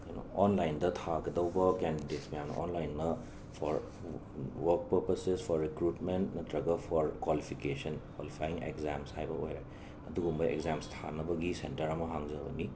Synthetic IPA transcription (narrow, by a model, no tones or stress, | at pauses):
ajno̰ɔnlajndɐtʰaɡɐdɐwbɐkendidetsmɐjamnɐ̰ʔɔnlajnːɐ | pʰɔɾ | wɐɾk̚pɐɾpɐsespʰɔɾːikɾutmentnɐtɾɐɡɐpʰɔɾkwalipʰikesɐnkwalipʰajiŋḛkzamshajbɐojɾa | ɐduɡumbɐḛkzamstʰa̰nɐbɐɡisentɐɾɐmɐɦaŋzɐbɐni